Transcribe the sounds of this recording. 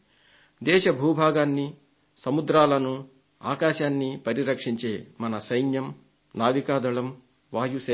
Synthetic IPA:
d̪ɛːʃɐbʱuːbʱaːɡaːnːi | sɐmud̪ɾaːlɐnu | aːkaːʃaːnːipɐɾiɾɐkʂiɲt͡ʃe̞ːmɐnɐsɐjnjɐm | naːʋikaːd̪ɐɭɐm | ʋaːjuseː

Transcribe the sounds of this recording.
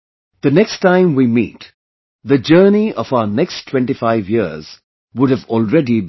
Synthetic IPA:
ð̥ənɛkstːãɪ̃mwimḭːt | ðəd͡ʒəːniɔfaʊənɛkstʰw̥ɛ̃ɳʈifaɪvjɪz̥ | wʊɖɨvɔlɹɛdi

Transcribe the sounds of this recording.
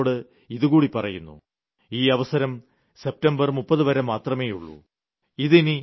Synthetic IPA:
ɽɨ | iðuɣuːɽipɐrɐjunːṵ | iːɐʋɐsɐɾɐm | se̞p̚tɐmbɐrmupːɐðɨʋɐɾɐmːaːt̪rɐme̞ːjṵɭːṵ | iðini

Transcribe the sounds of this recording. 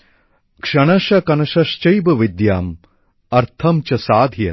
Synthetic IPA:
kʂɐɳ̃ɐʃɐkɐnɐʃɐʃt͡ʃɐjbɐʋid̪jaːm | ɐɾt̪ʰɐmt͡ʃɐsaːd̪ʱjɐ

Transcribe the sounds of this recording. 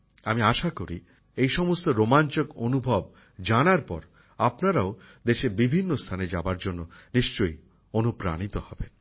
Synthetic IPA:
amiaʃakoɾḭ | ejʃɔmost̪oɾomant͡ɕokonubʱɔb | d͡ʑanaɾpɔ̰ɾ | apnaɾao | d̪eʃebibʱinːost̪ʰaned͡ʑabaɾd͡ʑonːoniʃt͡ɕoj | onupɾa̰nit̪ohɔben

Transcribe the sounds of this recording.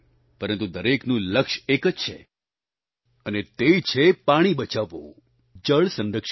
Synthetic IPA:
pəɾə̃nt̪̬ud̪əɾeknũləkʃekəd͡ʒt͡ʃʰḛ | ənet̪et͡ʃʰepaɽ̃ibət͡ʃaʋo̰ | d͡ʒəɭsə̃nɾəkʃ

